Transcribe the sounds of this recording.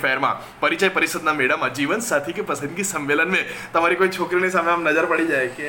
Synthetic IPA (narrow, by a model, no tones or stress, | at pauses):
fɛɦəɾmã̰ | pɐɾit͡ʃajpəɾɪsəd̪namɛɽəmad͡ʒiʋənsat̪ʰikepəsə̃d̪ɡisɐ̃mʋelənmẽt̪əmaɾikoit͡ʃʰokɾinis̬ameamnɐd͡ʒəɾpəɽid͡ʒaeke